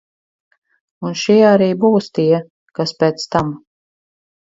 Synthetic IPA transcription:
unʃiɛaɾiːbuːst̪iɛ | kaspʲɛːt̪st̪am

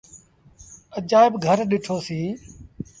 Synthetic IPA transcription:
əd͡ʒaːɪbɡʱəɾɗɪʈʰoːsĩː

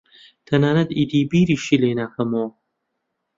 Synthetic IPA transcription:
t̪ʰɐnaːnɐd̪id̪iːbiːɾiʃileːnaːxɐmowɐ

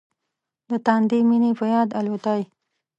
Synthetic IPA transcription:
d̪ət̪ɑnd̪eminepəjɑd̪alot̪ɑj

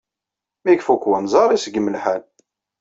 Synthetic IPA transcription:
mikfukwənzˤɑɾˤisəɡəmːəlħæl

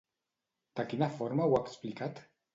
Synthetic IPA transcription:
d̪̥akinafɔɾmawaksplikat̪

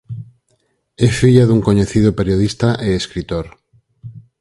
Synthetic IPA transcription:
ɛfiʎaðuŋkoɲeθið̞opeɾjoðist̪aʔeeskɾit̪oɾ

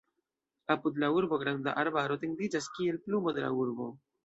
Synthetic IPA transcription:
apud̪lauɾbo̞ɡɾanda̰ʔaɾbaɾo̞tiŋɡdid͡ʒaskie̞lplumodela̰uɾbo̞̰

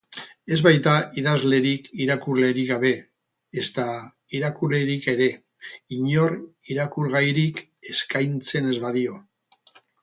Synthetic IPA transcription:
e̞zβajt̪aiðazle̞ɾikiɾakuɾle̞ɾiɣaβ̞e̞ː | st̪a | iɾakuɾle̞ɾike̞ɾe̞ | iɲo̞ɾiɾakuɾɣ̞ajɾik | e̞skajnt͡se̞ne̞zβaðio̞

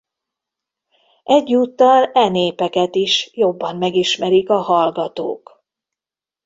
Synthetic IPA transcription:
ʔɛɟːuːt̪ːɒlɛneːpɛkɛt̪iʃjo̞bːɒmmɛɡiʃmɛɾikɒɦɒlɡɒt̪o̰ːk

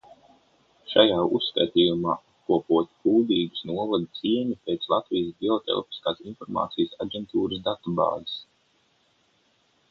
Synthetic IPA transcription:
ʃajaːusːka̰jt̪iːjumaː | kuɔpuɔt̪puːd̪iːɡu̥snuɔvad̪siɛɲupʲeːt̪slˠat̪viːjəsbʲiɔt̪ɛ̰lˠpi̥skaːsinfɔɾma̰ːt̪sijəsaɟʲɛnt̪uːɾəs̬d̪at̪uba̰ːzis

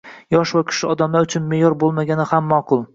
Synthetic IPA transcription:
jɒʃvakʲʰɪ̥ʃɪɒd̪amlaʊt͡ʃʰʊnmejɒɾbolˠmaɡʲanɪhamːɒqʰʊlˠ

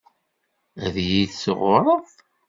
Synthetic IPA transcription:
æðjiðsəʁʊɾˤəðˤ

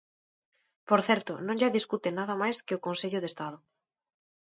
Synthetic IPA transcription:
poɾθɛɾt̪ʊnõŋʒaðiskut̪ɪnaðɐmajskɪʊkõnseʎʊðest̪að̞ʊ

